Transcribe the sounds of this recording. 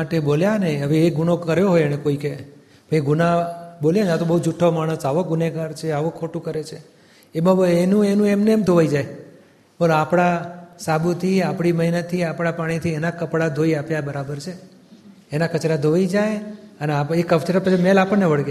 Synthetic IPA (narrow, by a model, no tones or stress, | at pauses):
aʈeboljaneɦəʋeːɡuɽ̃okəɾjoɦojeɽ̃ekoike | bʱəiɡʊnaboljad͡ʒat̪obəɦud͡ʒuʈʰːomaɽ̃əsaʋoɡʊneɡaɾt͡ʃʰeaʋokʰːoʈũkəɾet͡ʃʰe | ebabenũenũemneːmd̪ʱoʋaid͡ʒaj | bəlõapɽasabut̪ʰiapɽiməɦinət̪ʰːiapɽ̃apaɽ̃it̪ʰienakəpɽad̪ʱoiapjabəɾabəɾt͡ʃʰeː | nakət͡ʃɾad̪ʱoʋaid͡ʒajəneaekːəʋt͡ʃeɾapət͡ʃʰemelapəɳneʋəɭɡja